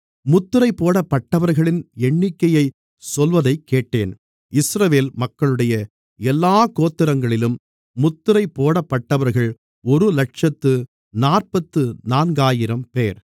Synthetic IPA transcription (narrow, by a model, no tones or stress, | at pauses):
mʊt̪ːɯɾɐɪpːoːɽɐpːɐʈːɐʋɐɾɣɐɭɪnɛɳːɪkːɐjɐɪ | sɔlʋɐðɐɪkːeːʈːeːn | ɪsɾɐʋeːlmɐkːɐɭɯɽɐjɐ | ɛlːaːkoːt̪ːɪɾɐŋɡɐɭɪlɯmː | ʊt̪ːɯɾɐɪpːoːɽɐpːɐʈːɐʋɐɾɣɐɭ | ɔɾɯlɐʈ̚ʂɐt̪ːɯ | naːrpɐt̪ːɯnaːnɡaːjɪɾɐmpeːɾ